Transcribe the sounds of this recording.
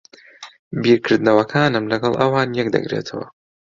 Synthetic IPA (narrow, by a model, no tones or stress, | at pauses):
biːɾkʰɨɾd̪nɐwɐkʰaːnɨmlɐɡɐlˠʔɐwaːnjɛk̚d̪ɐ̰ɡɾḛt̪ʰɐwɐ̰